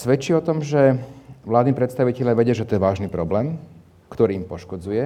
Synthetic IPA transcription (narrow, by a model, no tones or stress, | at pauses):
sʋɛt͡ʃiɔt̪ɔmʒɛʋlaːd̪niːpɾɛt̪st̪aʋicɛljaʋɛɟɪaʒɛt̪ɔjɛʋaːʒniːpɾɔblɛːm | kt̪ɔɾiːmpɔʃkɔd͡zujɛ